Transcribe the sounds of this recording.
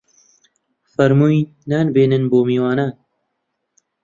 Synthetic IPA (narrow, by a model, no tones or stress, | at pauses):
fɐɾmuːi | naːnbeːnɨnboːmiːwaːnaːn